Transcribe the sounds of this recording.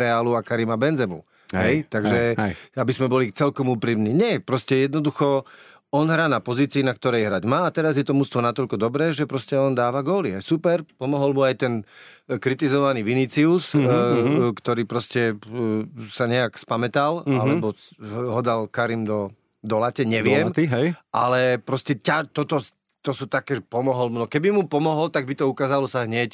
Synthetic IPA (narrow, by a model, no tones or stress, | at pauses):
ɾɛaːluakaɾimabɛnd͡zɛmṵ | ɦɛjt̪aɡʒɛabizmɛbɔlit͡sɛlkɔmuːpɾiːmniɲɛpɾɔscɛjɛd̪nɔd̪uxɔ | ɔnɦɾaːnapɔziːt͡siːnakt̪ɔɾɛjɦɾaɟmaːt̪ɛɾazjɛt̪ɔmuːst̪ʋɔnat̪ɔʎkɔd̪ɔbɾɛːʒɛpɾɔscɛɔnd̪aːʋaɡɔːliajsupɛɾpɔmɔɦɔlmuajt̪ɛn | kɾit̪izɔʋaniːʋinit͡sius | kt̪ɔɾiːpɾɔscɛ | saɲɛakspamɛt̪alalɛbɔɦɔd̪alkaɾimd̪ɔ | d̪ɔlacɛɲɛʋɪɛmmiɦɛʔa̰lɛpɾɔscɛcat̪ɔt̪ɔ | t̪ɔsuːt̪akɛːʒɛpɔmɔɦɔlmunɔkɛbimupɔmɔɦɔlt̪aɡ̚bit̪ɔukaːzalɔsaɦɲɛc